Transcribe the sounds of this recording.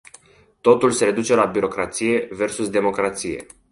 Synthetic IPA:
t̪o̞t̪ulse̞ɾe̞d̪ut͡ʃe̞labiɾo̞kɾat̪sije̞ve̞rsusd̪e̞mo̞kɾat̪sije̞̰

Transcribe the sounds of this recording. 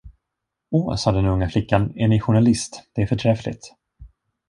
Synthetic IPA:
oːsɑːd̪ɛnɵŋːaflɪkːanɛɳɪɧʊɳalɪst̪d̪̥ɛæɾfœʈʰɾɛflɪ̰t̪

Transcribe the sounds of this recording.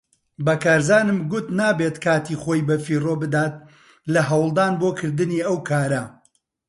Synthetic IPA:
bɐkaːɾzaːnɨmɡʊt̪naːbet̪kʰaːt̪iχoːjbɐfiːrobɨd̪aːt̪̚ | lɐɦɐwlˠd̪aːnboːkʰɨɾd̪ɨniɐwkʰaːɾɐ

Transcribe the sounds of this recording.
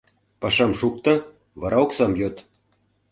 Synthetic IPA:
pɑʃɑmʃuk̚t̪ɤ̆ | βɑɾɑoksɑmjot̪

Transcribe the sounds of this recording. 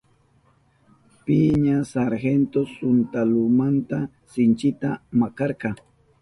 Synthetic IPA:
pɪɲasaɾxent̪osʊnt̪alʊmant̪a | sɪnt͡ʃɪt̪amakɑɾqɑ

